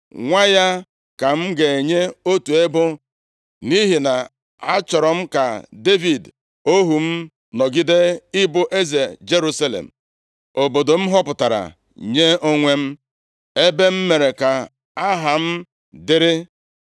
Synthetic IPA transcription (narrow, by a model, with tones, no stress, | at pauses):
ŋʷa˦ja˦ | ka˨m̩˦ɡe˨e˨ɲe˦o˦tu˨e˦bʊ˦ | ni˦ɦi˨na˨ | a˦t͡ʃɔ˨ɾɔ˨m̩˦ka˨de˦vi˨d | o˦ɦu˨m̩˦ | nɔ˨ɡi˦de˦ɪ˦bʊ˦ʔe˦ze˨d͡ʒe˦ɾu˦sa˦lḛ˨m̩˨ | o˨bo˨do˨m̩˦ɦɔ˦pʊ˨ta˨ɾa̰˨ | ɲe˦o˦ŋʷe˦m̩˦ | e˦be˦m̩˦me˨ɾe˨ka˨ | a˦ɦa˨m̩˦ | dɪ˦ɾɪ˦